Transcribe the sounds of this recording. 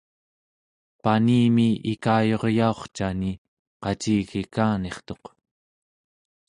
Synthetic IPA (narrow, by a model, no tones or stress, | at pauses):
paniːmiikaːjo̞ʁjao̞χt͡ʃani | qɑt͡ʃiːɣikaːne̞χt̪o̞q